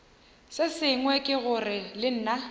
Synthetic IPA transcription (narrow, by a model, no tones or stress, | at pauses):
sɪsɪŋwɛkʼɪɣʊrɪlɪn̩ːna